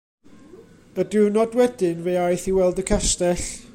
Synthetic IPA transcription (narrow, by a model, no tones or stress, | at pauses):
ədɪnɔdwɛdɪnvejajθiwɛlˠdəkʰɛstɛɬ